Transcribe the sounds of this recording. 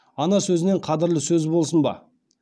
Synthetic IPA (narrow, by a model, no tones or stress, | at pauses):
ɑnɑsɵzɪne̞ɴqʰɑd̪ɪɾlɪsɵzbo̞lˠsənbɑ̰